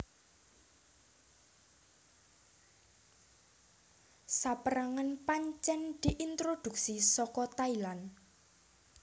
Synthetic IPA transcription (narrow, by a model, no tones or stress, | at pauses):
sapəɾaŋanpaɲt͡ʃɛnd̪̥i̤ʔint̪ɾod̪̥ṳk̚sisɔkɔt̪ailan